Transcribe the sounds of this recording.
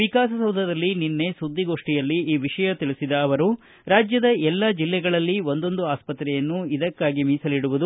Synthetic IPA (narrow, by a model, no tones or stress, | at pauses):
ʋikaːsɐsɐwd̪ʱɐd̪ɐlːininːe̞sud̪ːiɡo̞ːʂʈijɐlːiiːʋiʂɐjɐt̪iɭisid̪ɐːʋɐɾu | ɾaːd͡ʒjɐd̪ɐʔɛlːad͡ʒilːɛɡɐɭɐlːiond̪o̞nd̪uaːspɐt̪ɾɛjɐnːuid̪ɐkːaːɡimiːsɐliɽuʋud̪u